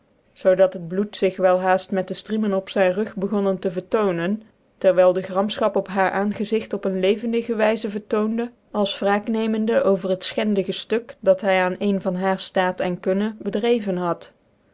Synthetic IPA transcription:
z̥owdɑtɦəd̚blutsɪχʋɛlˠɦaːstmɛt̚dəstrimənɔpsɛjnrɵχbəɣɔnəntəvəɹtownən | tɛɹʋɛjlˠdəχrɑmsχɑpɔpɦaːɹʔaːnχəzɪxtɔpənlejvəndəɣəʋɛjzəvəɹtowndə | ɑlˠsfraːknejməndəʔowvəɹɦətsχɛndəχəstɵkdɑtɦɛjaːnejnvɑnɦaːɹstaːtɛnkɵnəbədrejvənɦɑt

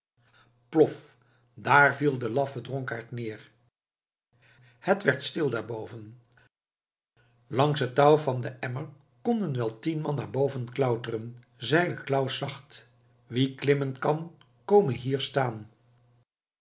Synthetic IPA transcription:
plɔf | daːɹvilˠdəlɑfədrɔŋkaːɹtnɪːɹ | hətʋɛɹtstɪlˠdaːɹbowvən | lɑŋsətːɑwvɑndəʔɛməɹ | kɔndənʋɛlˠtinmɑnːa̰ːɹbowvənklœwtərən | zɛjləklawsɑχt | ʋiklɪmənkɑn | kowmənɦiːɹstaːn

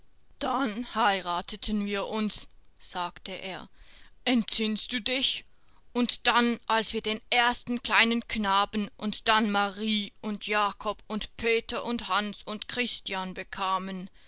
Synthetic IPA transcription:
d̥anhaɪʁaːtʰətʰənviːɐʔʊnsz̥aːktəʔḛːɐʔɛntz̥ɪnsd̥uːdɪç | ʔʊntd̥anʔalsv̥iːɐdeːnʔeːɐstn̩kl̥aɪnənknaːbn̩ʔʊntd̥anmaʁiːʊntʰjaːkʰɔpʊntpʰeːtɐʔʊnthansʊntkʁ̥ɪstjanbəkʰaːmən

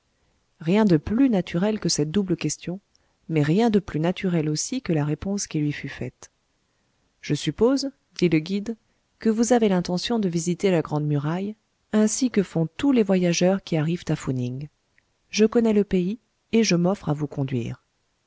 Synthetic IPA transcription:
ʁjɛ̃d̪əplynat̪ʰyʁɛlkəsɛt̪̚d̪ubləkʲɛst̪jɔ̃ | mɛʁjɛ̃d̪əplynat̪ʰyʁɛlosikəlaʁepɔ̃skʲilɥifyfɛt̪ | ʒ̥əsypoz | d̪iləɡʲid̪ | kəvuzavelɛ̃t̪ɑ̃sjɔ̃d̪əvizit̪elaɡʁɑ̃d̪myʁaj | ɛ̃sikəfɔ̃t̪ulevwajaʒœʁkʲiaʁivt̪afuniŋ | ʒəkɔnɛləpei | eʒəmɔfχavukɔ̃d̪ɥḭːʁ

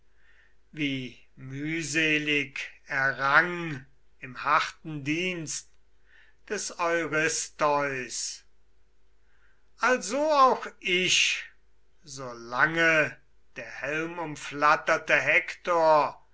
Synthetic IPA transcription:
viː | myːzeːlɪkɛɐʁaŋ | ɪmhaχtn̩diːnst | d̥ɛsɔʏʁɪstɔʏs | ʔalzoaʊxɪʃ | zoːlaŋə | d̥eːɐhɛlmʊmflatɐtəɦɛktoːɐ

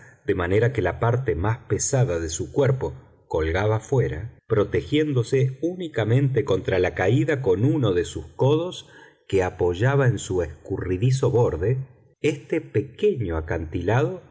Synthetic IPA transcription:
d̪e̞mane̞ɾake̞lapaɾt̪e̞maspe̞saðaðe̞sukweɾpo̞ | ko̞lɣaβafwe̞ɾa̰pɾo̞t̪e̞xje̞nd̪o̞se̞unikamẽ̞nt̪eko̞nt̪ɾalakaiðako̞nuno̞ðe̞suskoðo̞s | keapo̞ʒaβaensue̞skuriðis̬o̞βo̞ɾðe | est̪e̞pe̞ke̞ɲo̞akant̪ilaðo̞

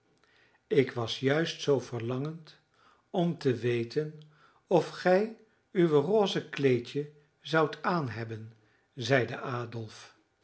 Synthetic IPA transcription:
ɪkʋɑsjœɥstsowvərlɑŋənt | ɔmtəʋejtən | ɔfχɛj | yʋəroːzəklejcə | zɑwtʰaːnɦɛbən | zɛjdəʔaːdɔlˠf

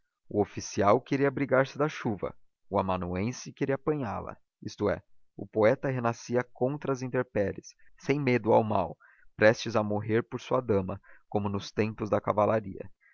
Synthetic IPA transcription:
ʊofisiawkeɾiɐbɾiɡaɾsɪd̪ɐʃuvɐ̰ | ʊamɐ̃nuẽsɪkeɾiɐapɐ̃ɲa̰lɐ̰ | ist̪ʊɛ̰ | ʊ̰poɛt̪ɐɦenasiɐkõnt̪ɾɐzĩnt̪eɾpɛlɪsːẽj̃med̪ʊawma̰w | pɾɛst͡ʃɪzɐmoɦeɾpoɾsuɐd̪ɐ̃mɐkõmʊnʊst̪ẽmpʊzd̪ɐkavalaɾḭɐ̰

